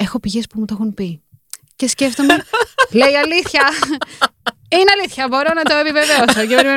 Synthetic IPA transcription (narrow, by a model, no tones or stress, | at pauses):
e̞xo̞piʝe̞spumut̪oxunpi | ce̞sce̞ft̪o̞mele̞iɐliθçɐ | ineɐliθçɐbo̞ɾo̞nɐt̪o̞e̞pive̞veosocepe̞ɾime